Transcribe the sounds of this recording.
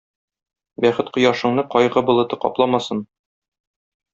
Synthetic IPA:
bæχɘt̪qŏjɑʃɤ̆ɴnɤqɒjʁɤbŏlˠɤ̆t̪ɤqɒ̰plˠɑmɑsɤn

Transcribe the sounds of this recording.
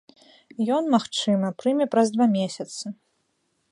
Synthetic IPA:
jɔnmaxt͡ʂɨmɐpɾɨmʲɛpɾɐzd̪vamʲesʲɐt̪sɨ

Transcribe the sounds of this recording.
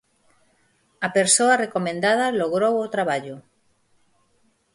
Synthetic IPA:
ɐpeɾsoarekomẽnd̪að̞aloɣɾowot̪ɾaβaʎʊ

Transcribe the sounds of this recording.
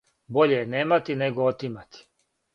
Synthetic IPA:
bo̞ʎejeneːmat̪ineɡoot̪imat̪i̥

